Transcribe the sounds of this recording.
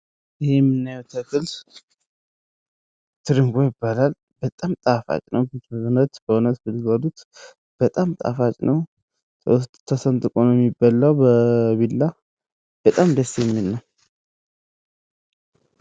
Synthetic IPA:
jɪhemːɨnːajwt̪ʰəkɨls | t̪ʰɨɾɨŋɡo̞jɪbːalal | b̥ət̪ʼamt̪ʼafa̰t͡ʃʼnəwbət̪unət̪b̥əunət̪bɨlɡəd̪ut̪ | b̥ət̪ʼamt̪ʼa̰fat͡ʃʼnəw | t̪ʰːəsənt̪ʼɨkʼonoɛmːɪbːalːawbəβilːa | b̥ət̪ʼamd̪əsːjɛmːinːaw

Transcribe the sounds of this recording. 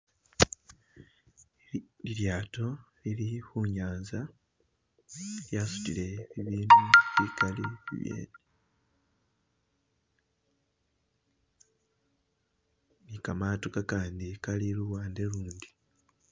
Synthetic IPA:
iɾjaːto̞lilixuɲaːnza | eljaːsu̥tile̞βiβiːnuβikalḭβjḛ | mikamaːtokakaːndikaliluwaːnde̞luːndi

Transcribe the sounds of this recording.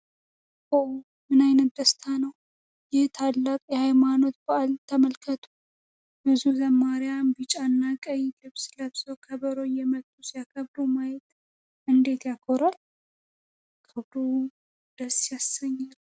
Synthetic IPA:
ʔo | mɨnajnət̪̚d̪əst̪ʰanəw | jɪht̪ʰalːakʼjɛhajmano̞t̪̚bəalt̪ʰːəməlkʰət̪ʰu | bɨzuzəmːaɾɪjambɨt͡ʃʼanːakʼəjlɨβsləβsəwkʰəβəɾo̞jɛmət̪ʼːusijakʰəβd̪omajɛt̪ | ʔɨnd̪e̞t̪jakʰoɾal | kʰɨβd̪o | d̪əsjasəɲːal

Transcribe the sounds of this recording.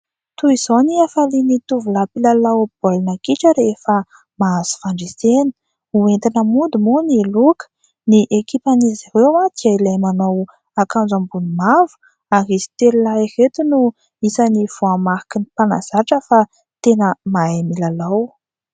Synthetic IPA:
t̪uiz̥oniafalinit̪uvulapilalawb̥olinakiʈ͡ʂəɾefə | maaz̥u̥faɳɖ͡ʐeseni̥ | uent̪inəmund̪imunielukə̥ | niʔekipanizziɾewat̪ialajmanow | akand͡zambunimavu̥ | aɦizi̥t̪elilairet̪unu | isaniv̥oamahi̥kinipanaz̥aʈ͡ʂəfa | t̪enəmaamilalaw

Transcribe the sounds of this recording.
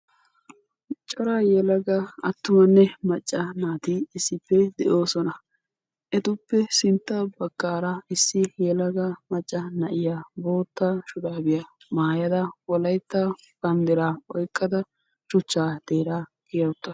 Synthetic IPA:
t͡ʃʼɔɾajɛlɐɡɐɐ̰t̪ːʊmɐnːɛmɐt͡ʃʼːɐnaːt̪iɪsːɪpːɛd̪ɛʔo̞ːsɔnɐ | ʔɛt̪ʊpːɛsɪnt̪ːɐbɐkːaːɾɐɪsːɪjɛlɐɡɐmɐt͡ʃʼːɐnɐʔɪjabo̞ːt̪ːaʃʊᶑ̪aːbɪjɐ | maːjɐd̪ɐwɔlɐjt̪ːɐ | b̥ɐnd̪ɪɾaːɔjkʼːɐd̪ɐ | t͡ʃʊt͡ʃːaːd̪̥eːɾaːɡɪjɐwʊt̪ːɐ

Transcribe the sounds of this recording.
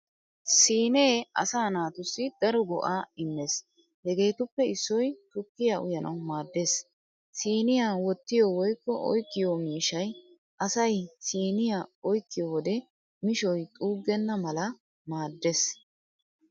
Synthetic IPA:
siːne̞ːɐ̰saːnaːt̪ʊsːɪd̪̥ɐɾɔɡɔ̰ʔaːɪmːes | hɛɡe̞ːt̪ʊpːɛɪsːɔjt̪ʊkːɪjaʔʊjɐnʔɐ̰wmaːd̪ːe̞ːs | siːnɪjaːwɔt̪ːɪjɔwɔjkːɔʔɔ̰jkːɪjomiːʃɐj | ʔɐsɐjsiːnɪjaɔjkːɪjɔwɔd̪ɛ | mɪʃɔjt̪ʼuːɡːɛnːɐmɐlɐ | maːd̪ːe̞ːs

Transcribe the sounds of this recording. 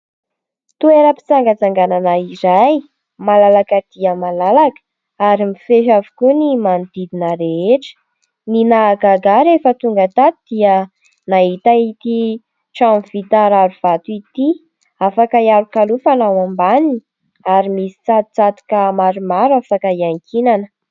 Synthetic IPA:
t̪ueɾəpi̥t͡saŋɡət͡saŋɡananaiɾaj | malalakəd̪̥iəmalalakə̥ | aɾimifeʃ̬avu̥kunimand̪̥id̪inəɾeeʈ͡ʂə̥ | ninaɡaɡaɾefət̪uŋɡət̪at̪id̪̥iə | naɦit̪ait̪i | ʈ͡ʂamv̥it̪aɾaɾuv̥at̪uit̪i | afakaiaɾukalufanawambanini | aɾimisi̥t͡sat̪u̥t͡sat̪i̥kəmaɾumaɾafakəiaŋkʰinanə̥

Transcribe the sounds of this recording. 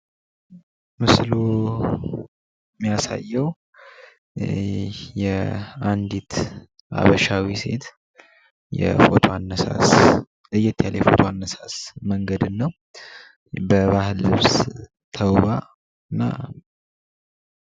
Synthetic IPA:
mɨslu | mːijasa̰jːəw | jɛand̪it̪ʰ | a̰βəʃawise̞̰t̪ | jɛ̰fot̪ʰoanːəsa̰s | lɨjːɛt̪ʰːjaljɛfo̞t̪ʰoanːəsasməŋɡəd̪ɨnːəw | bəβahɨlːɨβs | t̪ʰəwβa | ɨnːa̰

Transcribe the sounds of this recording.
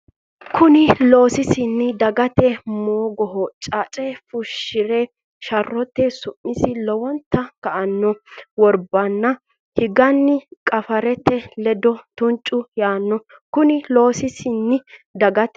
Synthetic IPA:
kʰʊnɪlo̞ːsɪsɪnːɪd̪ɐɡɐt̪ɛmoːɡɔɦɔt͡ʃʼat͡ʃʼɛfʊʃːɪɾe | ʃɐrːɔt̪ːɛsʊmːɪsɪlɔwɔnt̪ːɐkɐʔɐnːɔwɔɾbɐnːɐ | hɪɡɐnːɪkʼɐfɐɾɛt̪ːɛlɛd̪ɔt̪ʊnt͡ʃʼʊjaːnːɔ | kʊnɪlo̞ːsɪsɪnːɪd̪ɐɡɐt̪ɛ

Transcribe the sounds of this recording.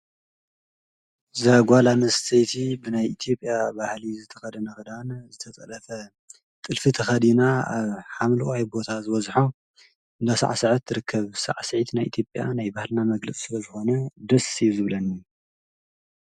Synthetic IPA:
zaɡʷalanɐst̪ʰejt̪ʰibɨnajʔit̪ʰjo̞pʼːjabahlizɨt̪ʰɐxɐd̪ɐnɐxɨd̪anzɨt̪ʰɐt͡sʼɐlɐfɐ | t̪ʼɨlfit̪ʰɐxɐd̪inaaβħamlɐwʼajbo̞t̪ʰazɨβɐzħo | nasa̰ʕsɨʕɨt̪ːɨɾɨkʰːɐβsa̰ʕsɨʕit̪najʔit̪ʰjopʼja̰najbahlnamɐɡlɐt͡sʼsɨlɐzɨxo̞nɐd̪ɐsizɨβlɐni

